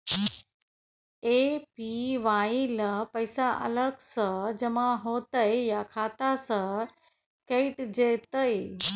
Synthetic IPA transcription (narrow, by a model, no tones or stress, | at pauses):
epiʋailəpəjsaʔə̰ləɡsəd͡ʑɛmaɦot̪əjjakʰat̪asə | keiʈd͡ʑet̪əj